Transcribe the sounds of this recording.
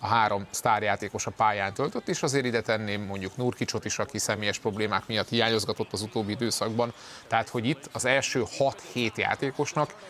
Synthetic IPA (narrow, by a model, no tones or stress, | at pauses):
ɒɦaːɾo̞mst̪aːrjaːt̪eːko̞ʃɒpaːjaːnt̪ølt̪øt̪ːeːʃɒzeːɾid̪ɛt̪ɛnːeːmːo̞ɲɟuknuːrkit͡ʃo̞t̪iʃɒkisɛmeːjɛʃpro̞bleːmaːkmijɒt̪hijaːɲo̞zɡɒt̪o̞t̪ːɒzut̪oːbːiid̪øːsɒɡbɒn | t̪ɛɦat̪ho̞ɟit̪ːɒzɛlʃøːhɒt̪heːt̪ja̰ːt̪eːko̞ʃnɒk